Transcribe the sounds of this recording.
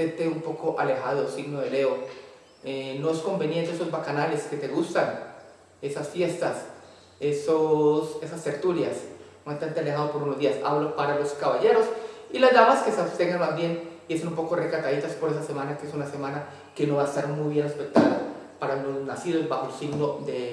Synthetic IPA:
ent̪eumpo̞ko̞ʔale̞xað̞osiɡnoðe̞le̞o | eno̞esko̞mbe̞nje̞nt̪eeso̞zbakanale̞ske̞t̪e̞ɣust̪an | e̞sasfje̞st̪as | esose̞sast̪e̞ɾt̪ulja̰smant̪ant̪ealexaðopo̞ɾunozd̪iasa̰βlopaɾalo̞skaβaʝe̞ɾo̞silazd̪amaskesat̪eŋɡanbazbje̞niesonumpo̞korekat̪aðit̪aspo̞ɾes̬ase̞manakeesunase̞mãna | ke̞no̞βaest̪aɾmujβje̞nespek̚t̪aðopaɾalo̞znasiðo̞zbaxoelsiɡno̞ðe

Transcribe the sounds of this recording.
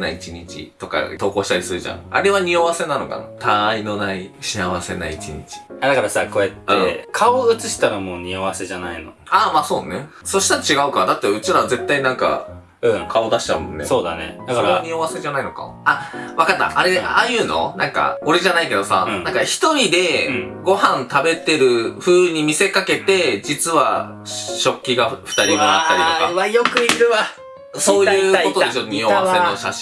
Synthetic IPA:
nait͡ɕiɲ̟it͡ɕḭt̪o̞ka̰t̪o̞ːko̞ːɕi̥t̪aɾʲisɨɾɯ̟ʑã̰ŋa̰ɾe̞βaɲ̟ioβase̞nano̞̰ka̰na̰t̪ʰaino̞naiɕiaβase̞naiit͡ɕiɲ̟it͡ɕi̥d̪akaɾasako̞e̞t̪ːɯẽkʰaoɯ̟t͡sɨɕi̥t̪aɾamo̞ːɲ̟ioβase̞ʑanaino̞̰aːmaːso̞ːne | so̞ɕi̥t̪aɾat͡ɕiɡaɯ̟kad̪at̪ːeɯ̟t͡ɕiɾaze̞t̪ːainãŋka̰ | ɯ̟̃kʰao̞d̪aɕi̥t͡ɕaɯ̟mõ̞nːeso̞ːd̪a̰nḛasoɾeaɲ̟io̞βase̞ʑanaino̞ka̰ | aβakat̪ːa̰ʔːɾe̞aːjɯ̟ːno̞̰nãŋka̰o̞ɾeʑanaike̞d̪o̞sa̰nãŋkaçi̥t̪o̞ɾʲid̪e̞ɡo̞hãnt̪abe̞t̪e̞ɾɯ̟ɸɯ̟ːɾɯ̟ɲ̟imʲise̞kake̞t̪e̞d͡ʑit͡sɨβa̰ | ɕo̞kʲːiɡaɸɯ̥t̪aɾʲimoat̪ːaɾʲitokaβajokɯ̟iɾɯ̟βa | so̞ːjɯ̟ːkot̪od̪esjoɲioβasenoɕaɕ

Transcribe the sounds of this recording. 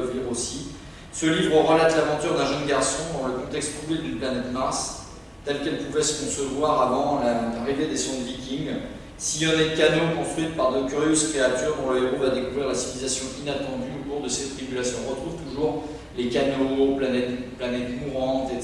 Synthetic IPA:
viʁosi | səlivʁəʁəlat̪lavɑ̃t̪yʁd̪ɛ̃ʒənɡaʁsɔ̃d̪ɑ̃ləkɔ̃t̪ɛkst̪̚pubed̪ynplanɛt̪maʁs | t̪ɛlkɛlpuvɛsəkɔ̃səvwaʁavɑ̃laʁived̪esɔ̃d̪vikʲiŋɡ | siɔnɛkanokɔ̃st̪χɥipaʁd̪əkʲyʁjøzkχeat̪yʁɑ̃ləeʁovad̪ekuvʁiʁlasivilizasjɔ̃ʔinat̪ɑ̃d̪yok̪uʁd̪əsɛt̪χibylasjɔ̃ʁət̪χuvt̪uʒuʁ | lekanoplanɛt̪planɛt̪kuʁɑ̃t̪et̪

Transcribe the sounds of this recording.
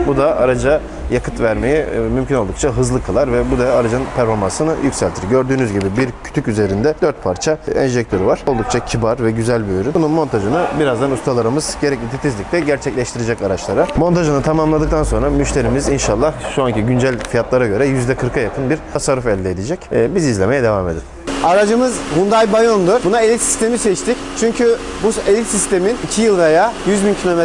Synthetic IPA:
bud̪aʔaɾad͡ʒa | jakʰɯt̪væɾme̞jɛmymcʰino̞lˠd̪ukt͡ʃʰaɦɯzlˠɯkʰalˠaɾvɛbud̪aaɾad͡ʒaɯnpʰæɾfo̞ɾmansɯnɯjycʲsælʲt̪ʰiɾɟø̞ɾd̪yːnyzɟibibiɾcʰy̥t̪ʰycyze̞ɾind̪ɛd̪øɾt̪̚pʰaɾt͡ʃʰaɛ̰nʒɛc̚t̪ʰø̞ɾyvaɾ̥olˠd̪uk̚t͡ʃʰacʰibaɾvɛɟyzælʲbyjyɾynbununmo̞nt̪ʰaʒɯnɯbiɾazd̪anust̪ʰalˠaɾɯmɯzɟeɾɛclʲit̪ʰit̪ʰizlʲiclɛɟæɾt͡ʃʰɛclʲɛʃt̪ʰiɾed͡ʒɛcaɾat͡ʃlˠaɾamo̞nt̪ʰaʒɯnɯt̪ʰamamlˠad̪ɯk̚t̪ʰanso̞nɾamyʃt̪ʰʲe̞ɾimizinʃalˠːahʃuanciɟynd͡ʒælʲfijat̪lˠaɾaɟø̞ɾɛjyzd̪ɛkʰɯɾkʰajakʰɯnbiɾʰasaɾufɛlʲd̪ɛːd̪id͡ʒɛcːbizizlʲe̞me̞jɛd̪e̞vame̞d̪in | aɾad͡ʒɯmɯzhund̪ajbajond̪uɾbunaelʲit̪si̥st̪ʰe̞misɛt͡ʃt̪ʰict͡ʃʰyɲcʰybuelʲit̪sist̪ʰe̞minicʰijɯlˠvejaːjyzbincʰilʲo̞me

